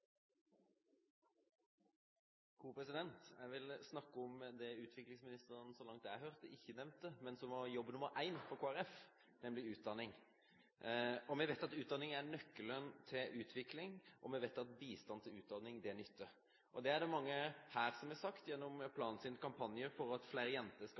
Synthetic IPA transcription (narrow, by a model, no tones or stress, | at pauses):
kʰuːpʰɾɛsɪd̪ɛnt̪jæɪʋɪlsnɑkːəɔmd̪ɛʉːt̪ʰʋɪklɪŋsmɪnɪst̪əɾənsɔlɑŋt̪d̪ɛæɪhœʁt̪əɪçːənɛmnt̪ːəmɛnsɔmʋɑjɔbːənʊmːəɾʔæɪnfɔkʰoːæɾɛf | nɛmlɪʉːt̪̚d̪ɑnːɪŋ | ɔmɛʋæɪt̪ɑt̪ʉːd̪ɑnɪŋæɾnœkːələnt̪ʰɪlʔʉːt̪ʰʋɪklɪŋʔɔ̰mɛʋæɪt̪ɑt̪biːst̪ɑnt̪ʰɪlʉːt̪̚d̪ɑnɪŋd̪ɛænʏt̪ːə | ʔɔd̪ɛæɖɛmɑŋːəhæːɾsɔmæsɑkt̪jɛnːɔmpʰlɑːnsɪnkʰɑmpʰɑnjəɾfɔɾɑt̪flæɪɾəjɛnt̪əsk